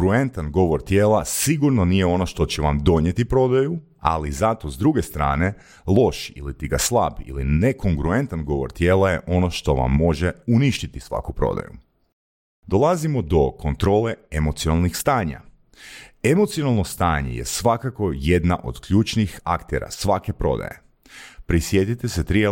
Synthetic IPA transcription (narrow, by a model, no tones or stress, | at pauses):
ɾue̞nt̪anɡo̞ʋo̞ɾt̪jeːlasiɡuɾno̞nijeo̞no̞ʃt̪o̞t͡ɕeʋamd̪o̞ɲje̞t̪ipɾo̞d̪aju | a̰lizat̪o̞zd̪ɾuɡe̞st̪ɾa̰ːne̞ | lˠo̞ʃḭlit̪iɡaslˠa̰bḭlineko̞ŋɡɾue̞nt̪anɡo̞ʋo̞̰ɾt̪jeːlajeʔo̞no̞ʃt̪o̞ʋa̰mːo̞ʒeuniʃt̪it̪isʋa̰kupɾo̞̰d̪a̰jṵ | d̪o̞lˠazimo̞d̪o̞ko̞nt̪ɾo̞ːle̞emo̞t̪sionalˠnixst̪aːɲa̰ | e̞mo̞t̪sijo̞nalˠno̞st̪aːɲe̞̰jḛsʋakako̞je̞d̪naʔo̞̰d̪kʎuːt͡ʃnixa̰kt̪ḛɾa̰sʋake̞pɾo̞̰d̪a̰je | pɾisje̞t̪it̪eset̪ɾije